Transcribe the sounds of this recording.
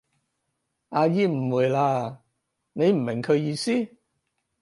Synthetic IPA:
aː˧jiː˧m̩˨˩wuː˨˩jlaː˧ | ne˨˧jm̩˨˩mɪ˨˩ŋkʰɵ˨˧ɥjiː˧siː˥

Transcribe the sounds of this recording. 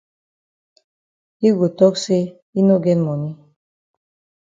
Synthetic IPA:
i˦ɡu˨t̪ɔ˦kse˦ | i˦no˦ɡɛ˦nmɔ˨mi˦

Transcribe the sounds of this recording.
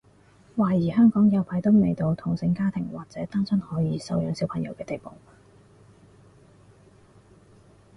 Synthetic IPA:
waː˨˩jiː˨˩ɦœː˥ŋkɔː˨˥ŋjɐ˨˧wpʰaː˨˥jt̪o˥wnḛ˨˩jt̪o˧wt̪ʰʊ˨˩ŋsɪ˧ŋkaː˥t̪ʰɪ˨˩ŋwa̰ː˨˩k̚t͡sɛː˨˥t̪aː˥ŋsɐ˥nhɔː˨˥jiː˨˧sɐ˧wjœː˨˧ŋsi˨˥wpʰɐ˨˩ŋjɐ̰˨˧wkɛː˧t̪e˨jpo˨w

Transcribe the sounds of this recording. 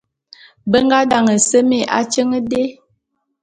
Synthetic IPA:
bə˦ŋ˦ɡa˦da˨ŋə˨sə˦me˦˨ʔa̰˦t͡ʃə˦ŋə˦de˦

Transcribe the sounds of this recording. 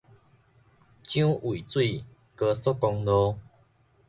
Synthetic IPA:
t͡ɕjũ˦ʔi˨t͡swi˥˧˨ | kə˧sɔ˦˥kɔ˧ŋlɔ˦

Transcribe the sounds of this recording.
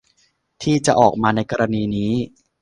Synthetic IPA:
t̪ʰiː˥˩t͡ɕa˨˩ʔɔː˨˩k̚maː˧na˧jkɔː˧ɾaː˧niː˧niː˦˥

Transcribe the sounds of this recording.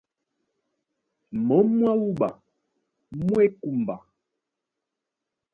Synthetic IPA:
mɔ˨˦mwa˦wu˦ɓa̰˨ | mwe˦ku˨mba˨

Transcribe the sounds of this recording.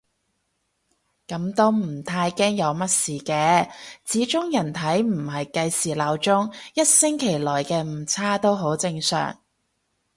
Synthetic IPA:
kɐ˨˥mt̪o˥wm̩˨˩t̪ʰaː˧jkɛː˥ŋjɐ˨˧wmɐ˥t̚siː˨kɛː˧t͡siː˨˥t͡ʃʊ˥ŋjɐ˨˩nt̪ʰɐ˨˥jm̩˨˩ɦɐ˨jkɐ˧jsiː˨˩laː˨˥wt͡sʊ˥ŋjɐ˥t̚sɪ˥ŋkʰe˨˩jlɔː˨˩jkɛː˧m̩˨˩t͡sʰaː˥t̪o˥wɦo˨˥wt͡sɪ˧ŋsœ̰ː˨˩ŋ

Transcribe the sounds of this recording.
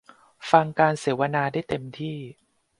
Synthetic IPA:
fa˧ŋkaː˧nseː˩˦wa˧naː˧daː˥˩jt̪e˧mt̪ʰiː˥˩

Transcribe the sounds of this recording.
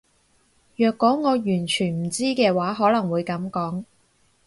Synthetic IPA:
jœː˨˧kːɔː˨˥ŋɔː˨˧jyː˨˩nt͡ʃʰyː˨˩nm̩˨˩t͡siː˥kɛː˧waː˨˥ɦɔː˨˥lɐ˨˩ŋwuː˨˧jkɐ˨˥mkɔː˨˥ŋ

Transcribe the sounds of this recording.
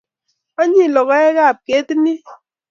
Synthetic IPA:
a˦ɲi˦˨lɔ˨ɣa˦ɛ˦ɣa˦˨p̚ke˨˦ti˦ni˦

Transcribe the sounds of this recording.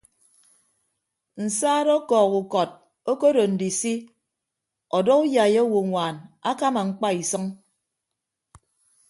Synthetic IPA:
n̩˨saː˦ɾɔ˦kɔː˨ku˨kɔ˨t̚ | o˦ko˦ɾo˨n̩˨di˨si˦ | ɔ˨dɔ˦u˦ja˨je˦wo˨ŋʷaː˨na˦ka˦ma˨ŋ͡m̩˦k͡pa˦i˨sʌ˦ŋ

